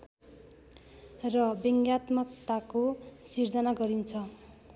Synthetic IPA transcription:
rʌbeŋɡjat̪mʌkt̪akosird͡zʌnaɡʌɾint͡sʰʌ

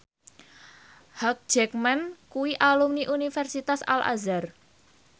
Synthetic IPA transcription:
hak̚d͡ʒ̥ɛk̚mankuwiʔalumniʔunifɛrsit̪asa̰lʔa̰zar

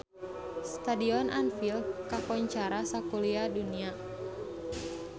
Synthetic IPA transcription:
st̪adiɔnʔanfilkakɔɲt͡ʃaɾasakuliadunia

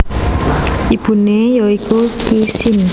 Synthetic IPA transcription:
ibunejoikokisin

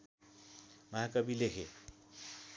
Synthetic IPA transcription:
maɦakʌbilekʰe

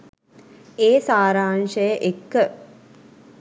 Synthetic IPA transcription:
eːsaːɾaːnʃəjəʔekːə

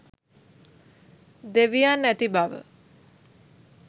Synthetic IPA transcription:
d̪eʋijanːæt̪ibaʋə̰

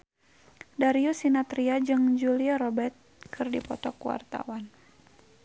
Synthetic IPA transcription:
daɾiusinat̪ɾiad͡ʒɨŋd͡ʒuliaɾɔbɛrt̪̚kʰɨrdipɔt̪ɔkuwa̰rt̪a̰wan

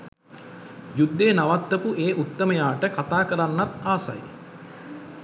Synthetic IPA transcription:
jud̪ːeːnaʋat̪ːəpuʔeːʔut̪ːəməjaːʈəkat̪aːkəɾanːat̪aːsa̰j

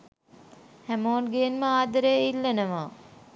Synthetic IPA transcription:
hæmoːnɡeənməaːd̪əɾəjilːənəʋaː

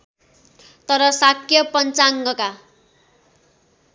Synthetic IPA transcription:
t̪ʌɾʌsakʰjʌpʌnt͡saŋɡʌka

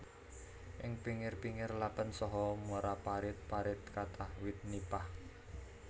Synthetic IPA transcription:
ʔɪŋpiŋɪrpiŋɪrlapənsɔɦɔmuɾapaɾɪt̪̚paɾɪt̪̚kat̪ʰahwɪt̪̚nipah

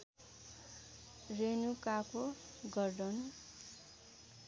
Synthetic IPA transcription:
renukakoɡʌrɖʌn

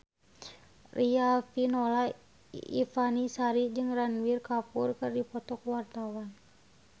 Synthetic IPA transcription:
riafinola | ḭfanisaɾid͡ʒɨŋranwirkapurkɨrdipɔt̪ɔkwart̪awan

